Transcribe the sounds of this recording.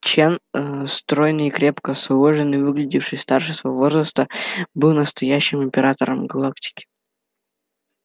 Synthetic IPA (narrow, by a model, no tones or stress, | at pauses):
t͡ɕenst̪ɾo̞jnɨikɾʲe̞pkəslˠoʐɨnɨvɨɡlʲɪdʲifʂɨsʲst̪arʂɨsvɐvovo̞zɾəst̪əbɨlˠnəst̪ɐjæɕːɪmɪmʲpʲɪɾat̪əɾəmɡɐlˠaktʲɪ̥kʲɪ̥